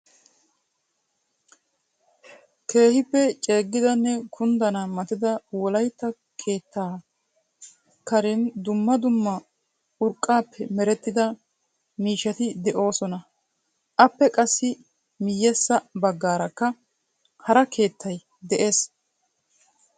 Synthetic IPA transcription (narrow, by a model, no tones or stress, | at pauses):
ke̞ːhɪpːɛt͡ʃʼe̞ːɡːɪd̪ɐnːɛkʰʊnd̪ɐnɐmɐt̪ɪd̪ɐwɔlɐjt̪ːɐ | kʰe̞ːt̪ːaː | kɐɾɪnd̪ʊmːɐd̪ʊmːɐ | ʊɾkʼːaːpʰːɛmɛɾɛt̪ːɪd̪ɐ | miːʃːɐt̪ɪd̪ɛʔo̞ːsɔnɐ | ʔɐpːɛkʼɐsːɪ | mɪjːɛsːɐbɐɡːaːɾɐkːɐ | hɐɾɐkʰe̞ːt̪ːɐj | d̪ɛʔe̞ːs